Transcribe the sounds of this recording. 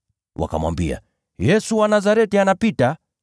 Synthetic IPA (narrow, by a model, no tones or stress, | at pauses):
wʔa̰ka̰mwa̰mbḭa̰ | jɛsuwanazaɾɛtianapita